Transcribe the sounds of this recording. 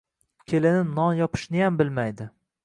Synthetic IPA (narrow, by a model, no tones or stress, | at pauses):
kʲʰelɪnɪnɒnjɒpʰɪ̥ʃnɪjambɪlmajd̪ɪ